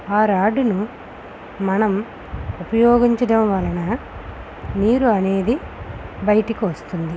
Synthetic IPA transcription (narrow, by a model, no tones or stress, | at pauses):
aːɾaːɖunu | mɐnɐm | upɐjoːɡiɲt͡ʃɐɽɐmʋɐlːɐnɐ | niːɾuɐne̞ːd̪ibɐjɐʈikiʋɐst̪und̪i